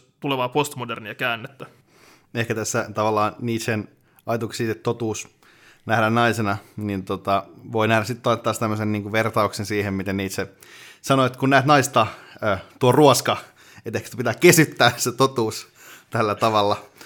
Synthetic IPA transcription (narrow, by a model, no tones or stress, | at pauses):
t̪uleʋɑːpost̪moderniɑkæːnːet̪ːæ | ehkæt̪æsːæt̪ɑʋɑlːˑɑːniːt̪sen | ɑit̪uksiːt̪et̪t̪ːot̪uːs | næhdænnɑisenɑnint̪ot̪ɑʋoinæhɾæsit̪t̪ɑnet̪ːɑːst̪æmːøsenniːŋkuʋert̪ɑuksensiːhemmit̪enniːt̪se | sɑnoet̪kunnæːt̪nɑist̪ɑøːt̪uoruoskɑ | et̪ehkst̪æpit̪æːkkesyt̪ːæːset̪ot̪uːs | t̪ælːæt̪ɑʋɑlːɑ